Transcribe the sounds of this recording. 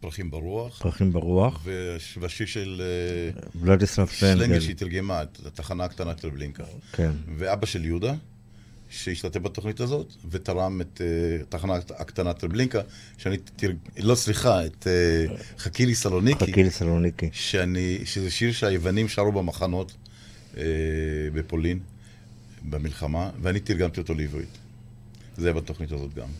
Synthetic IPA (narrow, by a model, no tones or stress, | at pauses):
pʁaχimbaʁuaχpʁaχimbaʁuaχvevaʃiʁʃeleblad̪islafseŋleŋɡɡeʃeit̪iʁɡemaetataχanaːkt̪anatɾebliŋkakʰenveabaʃe̞ljud̪a | ʃeiʃtat̪efbat̪o̞χnitazo̞t̪vet̪aʁamet̪etːaχanaakt̪anat̪ɾʁebliŋka | ʃeanitilo̞t͡sliχaet̪eχakilisalo̞nikiilisalonikiʃeaniʃezeʃiʁʃeajevanimʃaʁubemaχano̞t | ebepo̞lin | bemilχamaveanit̪iʁɡamt̪ioto̞livʁḭt̪ | zejabat̪o̞χnitazo̞tɡa̰m